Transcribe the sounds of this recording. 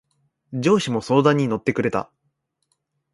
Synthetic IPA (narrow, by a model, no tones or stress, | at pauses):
d͡ʑo̞ːɕimo̞so̞ːd̪ãɲ̟ːino̞t̪ːe̞kɯ̟ɾe̞t̪a̰